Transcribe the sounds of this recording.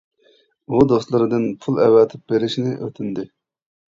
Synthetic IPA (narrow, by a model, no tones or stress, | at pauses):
bud̪oslˠɨɾɨd̪ɨnpʰulˠɛwɛt̪ʰɪp̚beɾɪʃnɪʔøt̪ʰɪnd̪ɪ